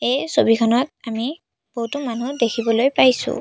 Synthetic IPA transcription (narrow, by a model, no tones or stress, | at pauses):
ejsobikʰɔnɔt̚ami | b̥oɦwtumanudekʰibɔlojpajsʊ̰